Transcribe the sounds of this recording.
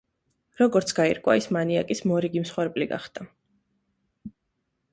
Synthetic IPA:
ɾɔɡɔɾt̪sʰɡ̥aḭɾkʼwa̰ismaniakʼismɔɾiɡimsχwɛɾpʼliɡa̰χd̪a

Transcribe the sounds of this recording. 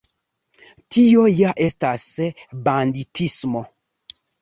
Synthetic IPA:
tiojaʔestasbanditʰismo

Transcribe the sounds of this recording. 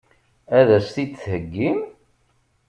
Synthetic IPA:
æðæsθid̪θhəɡːim

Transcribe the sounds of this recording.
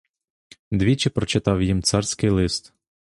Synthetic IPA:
d̪ʋʲit͡ʃɪpɾɔt͡ʃɪt̪ɑwjimt̪sɑrsʲkɪjlˠɪst̪

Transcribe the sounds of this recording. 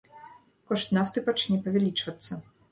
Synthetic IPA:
kɔʂt̪naft̪ɨpat͡ʂnʲɛpɐvʲɛlʲit͡ʂvɐt̪sːɐ

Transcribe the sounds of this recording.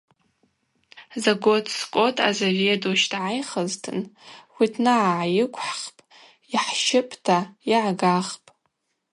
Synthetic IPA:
zaɡotʰʼskʷʼotʼʰa̰zovetʼuʃdʕajχəztʰɨnwitʰnaʕaʕajɪkʷʰʼħχpʼ | iħʃɪpʼtʰaiʕɡaχpʼ

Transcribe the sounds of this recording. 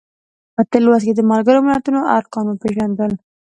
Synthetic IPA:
pət̪ɪlwasked̪əmalɡəɾomɪlat̪unoʔaɾqɑnopeʒand̪əl

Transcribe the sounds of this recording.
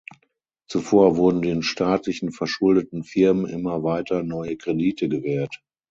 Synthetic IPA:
t͡sufoːɐvʊɐdn̩deːnʃtaːtlɪçn̩fɛɐʃʊldətn̩fɪɐmənʔɪmɐvaɪtʰɐnɔʏəkʁ̥ediːtʰəɡəvɛːɐt

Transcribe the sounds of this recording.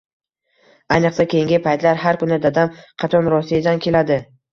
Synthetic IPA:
ajnɨqsakʲʰejɪŋɡʲɪpʰajt̪laɾɦaɾkʊnɪd̪ad̪amqʰɑt̪ʰɒnɾɒsijad̪ankʲʰe̞lad̪ɪ

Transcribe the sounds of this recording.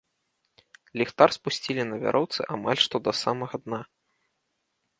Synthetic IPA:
lʲixt̪arspusʲt͡sʲilʲinɐvʲa̰ɾʔɔwt̪sɨ̰ʔama̰lʲʂt̪ɔd̪ɐsamɐɣɐd̪na

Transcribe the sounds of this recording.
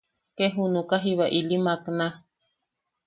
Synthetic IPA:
keɦunukaɦiβaʔilimakna

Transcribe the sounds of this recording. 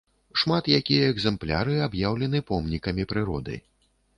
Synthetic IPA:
ʂmat̪jakʲijɐɛɡzɛmplʲa̰ɾɨabjawlʲɛnɨpɔmnʲikɐmʲipɾɨɾɔd̪ɨ̰

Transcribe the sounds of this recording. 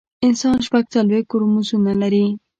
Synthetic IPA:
ɪnsɑnʃpaɡ̚t͡salwexkkoɾomuzunalaɾi

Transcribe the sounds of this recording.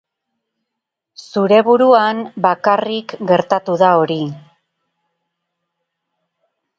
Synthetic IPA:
suɾe̞βuɾuanbakarikɡe̞ɾt̪at̪uðao̞ɾi

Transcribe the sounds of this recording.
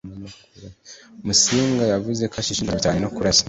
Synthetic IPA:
nokuɾmusiŋɡajavuzekʰaʃiʃiniβitaːnunokuɾasḁ

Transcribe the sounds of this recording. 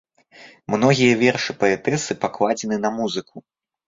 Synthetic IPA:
mnɔɣʲijɐvʲɛrʂɨpɐɛt̪ɛsɨpaklˠad͡zʲɛnɨnɐmuzɨku

